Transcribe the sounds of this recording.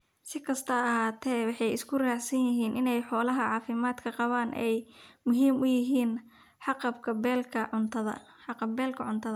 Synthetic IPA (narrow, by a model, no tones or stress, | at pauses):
sɪkʰɐst̪ʰɐɐɦaːt̪ʰɛːwɑħɑjɪskʰʊraːħsɐnjɪɦiːnʔɪnɛjħɔːlɐɦɐʕɑːfɪmaːd̪kʰɐqɑβaːnʔɛjmʊɦiːmʔʊjɪɦiːn | ħɑqɑbkʰɐbɛːlkʰɐʕʊnt̪ʰɐðɐ̰ | ħɑqɑbɛːlkʰɐʕʊnt̪ʰɐðɐ